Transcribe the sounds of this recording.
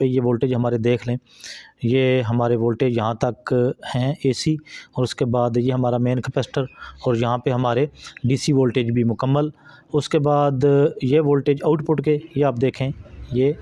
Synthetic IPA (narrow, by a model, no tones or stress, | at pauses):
pejeʋoːlʈeːd͡ʒɦɐmaːɾed̪eːkʰlẽː | jeːɦəmaːɾeʋoːlʈeːd͡ʒjɐɦãt̪əkhɛ̃eːsiɔːɾʊskebaːd̪jeɦəmaːɾamẽːnkʰəpɛsʈəɾɔːɾjɐɦãpeɦɐmaːɾeɖiːsiʋoːlʈeːd͡ʒbʱimʊkəmːəlʊskebaːd̪jeːʋoːlʈeːd͡ʒaːʊʈpʊʈkejeaːp̚d̪eːkʰẽːjeː